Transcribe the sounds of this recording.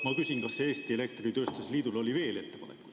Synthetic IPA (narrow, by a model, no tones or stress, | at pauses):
mɑkysinkɑsːeeːst̪iele̞kt̪rit̪øːst̪useliːd̪ulo̞lʲive̞ːle̞t̪ːe̞pɑnekːṵ̥